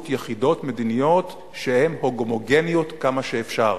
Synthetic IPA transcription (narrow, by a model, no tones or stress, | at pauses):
t̪jeχido̞tme̞d̪inijo̞t̪ | ʃehe̞mho̞ɡomoɡe̞nijo̞t̪kamaʃeːfʃaʁ